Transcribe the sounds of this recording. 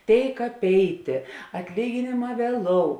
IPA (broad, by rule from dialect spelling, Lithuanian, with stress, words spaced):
ˈtʲeːɪk ɐpʲˈɛɪtʲeː ɐtʲˈlʲiːɡʲɪnʲeːˌmɑː ʋʲiɛˈlˠoːʊ